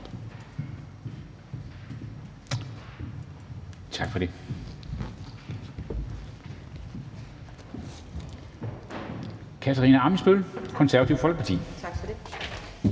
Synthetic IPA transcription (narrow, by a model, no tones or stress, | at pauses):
t͡sʰɑ̈ɡ̥fɒ̽de̝ | kʰæt͡sʰæʁḭːnæɑ̈məsb̥ølkʰɔ̽nsæɐʋɐt͡sʰiʊ̰fɒ̽l̰ɡ̥̚pʰɑt͡sʰḭː